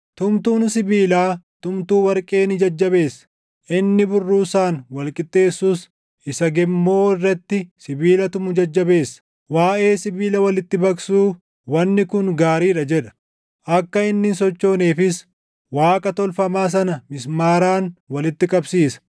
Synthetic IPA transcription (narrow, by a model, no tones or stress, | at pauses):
t̪ʊmt̪uːnsɪbiːlaːt̪ʊmt̪uːwɐɾkʼe̞ːnɪd͡ʒɐd͡ʒːɐbe̞ːsːɐ̥ | ʔɪnːɪbʊrːuːsaːnwɐlkʼɪt̪ʼːe̞ːsːuːs | ɪsɐɡɛmːo̞ːɪrːɛt̪ːɪsɪbiːlɐt̪ʊmʊd͡ʒɐd͡ʒːɐbe̞ːsːɐ̥ | waːʔe̞ːsɪbiːlɐwɐlɪt̪ːɪbɐksuː | wɐnːɪkʊŋɡaːɾiːᶑɐd͡ʒɛᶑɐ̥ | ʔɐkːɐɪnːɪnsɔt͡ʃːo̞ːneːfɪs | waːkʼɐt̪ɔlfɐmaːs̬ɐnɐmɪsmaːɾaːnwɐlɪt̪ːɪkʼɐbsiːsɐ̥